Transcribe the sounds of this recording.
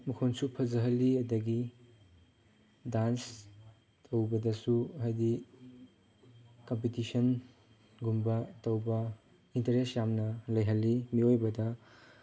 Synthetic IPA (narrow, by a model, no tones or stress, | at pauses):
mukʰonsupʰɐzɐɦɐlːiɐdɐɡi | dans | tʰowbɐdɐsuɦajdi | kɐmpitisɐn | ɡumbɐtɐwbɐ | intɐɾesjamnɐlɐjɦɐlːimiojbɐdɐ